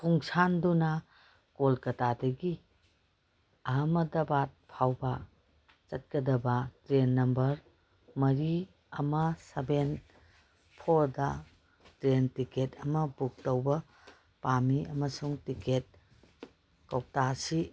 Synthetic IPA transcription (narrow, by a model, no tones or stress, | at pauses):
pʰuŋsandunɐ | kolkɐtadɐɡi | ɐɦɐmɐdɐbat̚pʰawbɐ | t͡ʃɐt̚kɐdɐbɐtɾenːɐmbɐɾ | mɐɾi | ɐmɐsɐben | pʰoɾdɐ | tɾentiketɐmɐbuk̚tɐwbɐ | pamiɐmɐsuŋtiket̚ | kɐw̚tasi